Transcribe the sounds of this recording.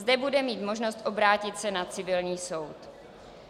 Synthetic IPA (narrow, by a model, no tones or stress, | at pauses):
zdɛbudɛmiːt̪mo̞ʒno̞st̪ʔo̞bɾaːcɪt̪sɛnat͡sɪvɪlɲiːso̞wt̪